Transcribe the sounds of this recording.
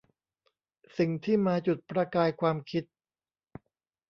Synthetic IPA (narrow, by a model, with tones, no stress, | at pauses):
si˨˩ŋt̪ʰiː˥˩maː˧t͡ɕu˨˩t̪̚pɾa˧kaː˧jkʰwaː˧mkʰi˦˥t̪̚